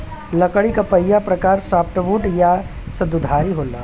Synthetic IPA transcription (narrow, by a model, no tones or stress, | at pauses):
lɐkəɽikapɐjːapɾɐkaːɾsaːpʈʋuːʈja | sɐd̪ud̪ʱaːɾiɦoːlaː